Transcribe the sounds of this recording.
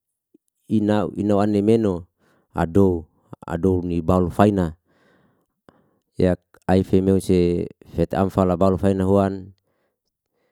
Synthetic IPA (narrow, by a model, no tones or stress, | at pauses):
inauinauanemeno | a̰dou | a̰dounibalufaina | jak̚ | aifemeusefet̪a̰mfalabalufainaɦuan